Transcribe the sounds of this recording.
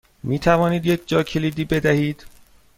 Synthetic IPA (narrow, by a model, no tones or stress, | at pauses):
miːt̪ʰævɒːniːd̪jec̚ʰd͡ʒɒːcʰe̞liːd̪iːbe̞d̪æhiːd̪̥